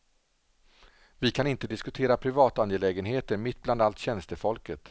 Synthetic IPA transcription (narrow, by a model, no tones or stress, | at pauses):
vɪkʰanɪnt̪əd̪ɪskɵt̪ʰeːɾapʰɾɪvɑːt̪anjɛlɛːɡənɦeːt̪əɳmɪt̪̚ːbland̪alt̪ɕɛnst̪əfɔlkət̪